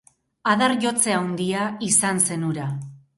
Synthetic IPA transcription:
aðarʝo̞t͡se̞awnd̪iaisanse̞nuɾa

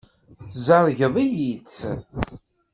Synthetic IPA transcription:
zəɾˤʝəðˤijit͡s

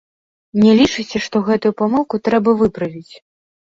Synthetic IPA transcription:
nʲɛlʲit͡ʂɨt͡sʲɛʂt̪ɔɣɛt̪ujupamɨlˠkut̪ɾɛbɐvɨpɾɐvʲit͡sʲ

